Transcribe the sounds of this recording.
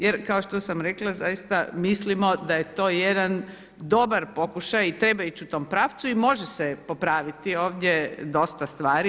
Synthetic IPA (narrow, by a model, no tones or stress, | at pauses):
jeɾkaoʃt̪o̞samɾeklˠazajist̪amislimo̞d̪aje̞t̪o̞ːjed̪an | d̪o̞baɾpo̞kuʃajit̪ɾebait͡ɕut̪o̞mpɾaːʋt̪suimo̞ʒesepo̞pɾaːʋit̪io̞ːʋd̪ʲjed̪o̞st̪ast̪ʋaːɾi